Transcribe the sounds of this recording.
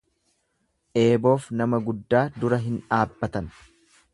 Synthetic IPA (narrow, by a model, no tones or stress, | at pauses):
ʔe̞ːbo̞ːfnɐmɐɡʊd̪ːaːd̪ʊɾɐɦɪnᶑaːbːɐt̪ɐn